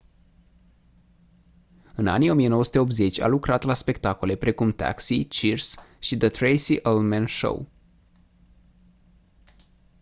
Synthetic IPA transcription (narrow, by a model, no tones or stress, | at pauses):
ɨna̰nijo̞mijenowəsut̪e̞o̞p̚t̪ze̞t͡ʃʲa̰lukɾat̪laspe̞kt̪ako̞le̞pɾe̞kumt̪a̰ksit͡ʃirsʃid̪ət̪ɾejsiʔelmenʃo̰w